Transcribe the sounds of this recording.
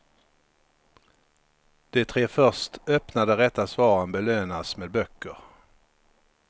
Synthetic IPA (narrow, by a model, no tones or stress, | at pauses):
d̪̥ɛt̪ʰɾeːfœʂtœpnad̪əɾɛt̪ːasvɑːɾənbɛløːnasmeːd̪̚bœkːəɾ